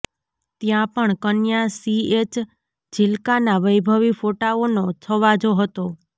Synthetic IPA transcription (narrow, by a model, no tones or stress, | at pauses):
t̪jãpəɳkənjasiet͡ʃ | d͡ʒɪlkanaʋəjbʱəʋifoʈaonot͡ʃʰəʋad͡ʒoɦət̪o